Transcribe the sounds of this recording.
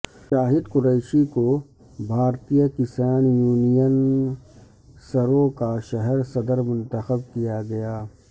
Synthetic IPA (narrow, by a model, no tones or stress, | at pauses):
ʃaːɦɪd̪kʊɾeːɪʃiko | bʱaːɾt̪ijəkɪsaːnjuːnijən | sɐɾõkaʃɐɦɛɾsɐd̪əɾmʊ̃nt̪əxəb̚kijaɡɐjaː